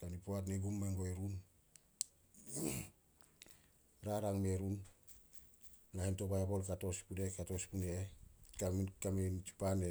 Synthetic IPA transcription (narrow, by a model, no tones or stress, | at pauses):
kanipoat̬neɡumːaŋɡoeɾun | ɾaɾaŋmeɾun | lahento̞pajapo̞lkato̞spudekato̞spunekakament͡ʃu̥pane